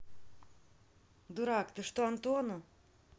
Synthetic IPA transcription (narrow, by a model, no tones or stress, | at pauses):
d̪uɾakt̪ɨʂt̪uant̪onu